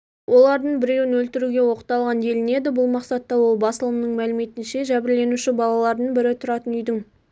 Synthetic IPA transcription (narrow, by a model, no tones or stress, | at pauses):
wʔo̞lˠɑɾd̪əɴbɪɾe̞wɪnwɵlt̪ɪɾuɡʲe̞wo̞qə̥t̪ɑlˠʁɑnje̞lɪne̞d̪ɪbʊlˠmɑqsɑt̪ːɑwo̞lˠbɑsəlˠəmnəɴmælɪme̞t̪ɪnʃe̞ʒæbɪɾlːe̞nuʃɪbɑlˠɑlˠɑɾd̪əɴbɪɾɪt̪ʰʊɾɑt̪ənʏjd̪ɪŋ